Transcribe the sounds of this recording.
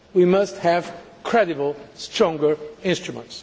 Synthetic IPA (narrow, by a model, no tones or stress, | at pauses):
wimʌst̚hæv̥ | kʰɹ̥ɛɾɨbəl̩ˠstʰɹɔ̃ŋɡə˞ɪ̃nstɹumə̃nts